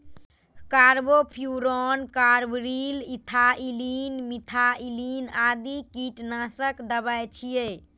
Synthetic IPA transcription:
kaɾbopʰjuɾɔnkaɾbɾilit̪ʰaʔilinmit̪ʰailinad̪ikiʈnasəkd̪əbajt͡ʃʰije

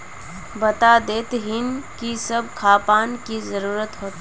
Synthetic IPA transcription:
bət̪ad̪eːt̪ɦɪnkisəb̚ʱkʰaːpaːnkizəɾuːɾət̪ɦoːt̪

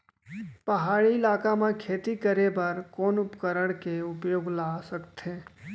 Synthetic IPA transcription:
pɐɦaːɭiɪlaːkamãkʰeːt̪ikəɾebəɾkoːnʊpkəɾəɽ̃keʊpjoːɡlaːsəkt̪ɦẽː

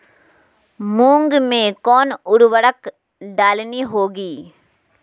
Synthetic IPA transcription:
muːŋɡmeːkoːnʊɾuʋɐɽɐk | ɖaːliniɦoːɡi

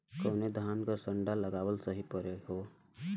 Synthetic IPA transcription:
koːned̪ʱaːnkəsəɳɖaləɡaːwəlsəɦipəɾeɦoː

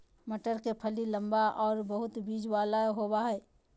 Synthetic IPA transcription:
məʈəɾkepʰəliləmbaʔɔːɾbəɦʊt̪bid͡ʒwalaɦobaɦɛɛ

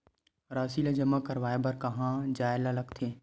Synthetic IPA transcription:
ɾaːsilɐd͡ʒəmakɐɾʋaːebɐɾkɐɦãd͡ʒaːlalɐɡt̪ʰeː

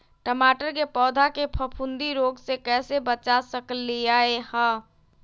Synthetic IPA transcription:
ʈəmaʈəɾkepɔːd̪ʱakepʰəpʰund̪iɾoɡsekɛsebət͡ʃasəklijaehə

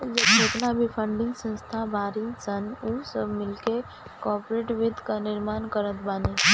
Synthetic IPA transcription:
d͡ʒət͡ʃeːt̪nabʱipʰə̃ɳɖɪ̃ŋɡsə̃nst̪ʰabaːɾĩŋsənusəbmɪlke | kɔːɾpɾeːʈʋɪd̪ʱkanɪɾmaːnkəɾət̪baːne

